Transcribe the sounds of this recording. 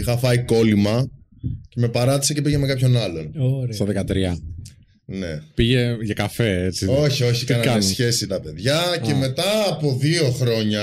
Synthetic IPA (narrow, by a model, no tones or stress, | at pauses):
ixɐfɐiko̞limɐ | ce̞me̞pɐɾɐt̪i̥sece̞piʝeme̞kɐpço̞nɐlo̞̰nst̪oðekɐt̪ɾiɐ | ne̞̰piʝeʝɐkɐfe̞et͡sio̞çio̞çikɐnɐsçe̞sit̪ɐpe̞ðʝɐce̞me̞t̪ɐːpo̞ðio̞xɾo̞ɲɐ